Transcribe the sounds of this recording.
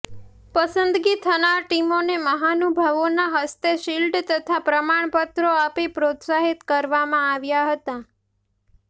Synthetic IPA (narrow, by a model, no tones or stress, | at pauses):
pəsənd̪ɡit̪ʰənaɾʈimoneməɦanubʱəʋonaɦəst̪eʃilɖt̪ət̪ʰapɾəmaɳ̃pət̪ɾoapipɾot̪saɦit̪kəɾʋamãaʋjaɦət̪a